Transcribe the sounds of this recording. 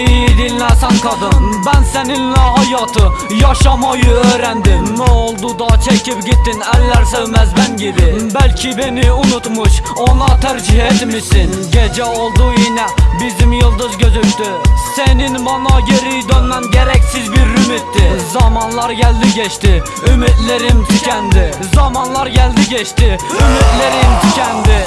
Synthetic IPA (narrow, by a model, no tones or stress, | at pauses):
ijd̪ɪlnæsænqʰɑd̪ɨmbænsenɪnnæɦɑjɑt̪ʰɨ | jɑʃɑmɑjʊøɾænd̪ɪmːɛolˠd̪ʊd̪ɑt͡ʃʰekʲɪpɡʲet̪ːɪnælːæɾsøwmæzbænɡʲed̪ɪmbælkʲʰɪbenɪʊnʊt̪mʊʃ | onɑt̪ʰæɾd͡ʒɪhet̪ɪmɪsɪnɡʲɛd͡ʒɛolˠd̪ʊinɛbɪzɪmjɨlˠd̪ɨzɡʲøzyp̚t̪ʰɪsenɪnmɑnɑɡʲeɾɪjd̪ønːɛnɡʲɛɾɛkʲsɪzbɪɾːymɪt̪ʰːɪzɑmɑnlˠɑɾɡʲæld̪ɪɡʲeʃt̪ɪ | ymɪt̪lɪɾɪmt̪ʰykʲʰɛnd̪ɪ | zɑmɑnlˠɑɾɡʲæld̪ɪɡʲeʃt̪ɪymɪt̪lɪɾɪmt̪ʰɪkʲʰɛnd̪ɪ